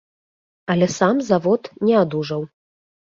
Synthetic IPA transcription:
ɐlʲɛsamzavɔt̪nʲɛad̪uʐɐw

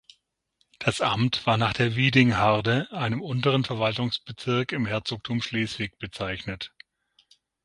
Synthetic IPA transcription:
d̥asʔa̰mtv̥aːɐnaːχd̥eːɐviːdɪŋɦaɐdəʔaɪnəmʊntəʁənfɛɐvaltʊŋsb̥ət͡sɪɐkɪmhɛɐt͡soːk̚tʰuːmʃleːsv̥ɪç̚b̥ət͡saɪçnət

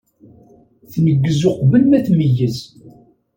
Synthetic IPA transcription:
θnəɡːəzoqvəlmæθməjːəs

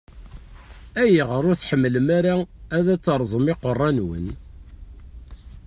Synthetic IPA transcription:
æjiʁəɾˤʊɾθħəmːləmæɾaæðæt͡sːɑɾˤzˤəmɪqərˤːɑnwə̰n

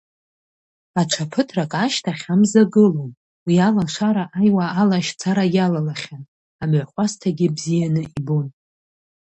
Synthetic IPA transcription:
at͡ʃʷʰapʰɨtʰrakʼaʃtʰaχʲamzaɡɨlom | wialanʂaɾaʔajwaːlaʃt͡sʰaɾajalalaχʲan | amʕʷχʷastʰaɡʲɪbzijanɨʔibon

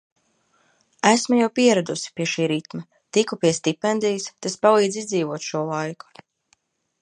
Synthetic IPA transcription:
æsmujawpiɛɾad̪usi̥piɛʃiːɾit̪mɐ | t̪ikupiɛst̪ipɛnd̪ijst̪aspalˠiːd̪zizd̪ziːvuɔt̪ʃuɔlˠajku̥

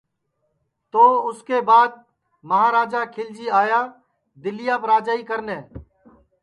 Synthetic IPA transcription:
t̪oːʊskeːbaːd̪̚ | məɦaːɾaːd͡ʒaːkʰɪld͡ʒiːaːjaː | d̪ɪlɪjaːpɾaːd͡ʒaːiːkəɾneː

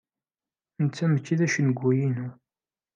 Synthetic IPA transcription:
ənt͡sːæməkːiðæʃənəɡʷːujinu

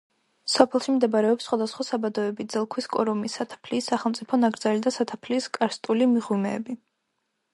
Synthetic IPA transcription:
sɔpʰɛlˠʃimd̪ɛbaɾɛɔpsːχwad̪asχwasabad̪ɔɛbid̪zɛlˠkʰwiskʼɔ̰ɾɔmisat̪ʰḁpʰliːsːaχɛlˠmt̪sʼipʰɔnaɡɾdzalid̪asat̪ʰapʰliːskʼaɾst̪ʼulimiʁwimɛ̰ːbi

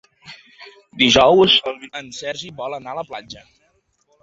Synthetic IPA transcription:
d̪iʒɔwsənsɛɾʒiβɔlənaələplad͡ʒə

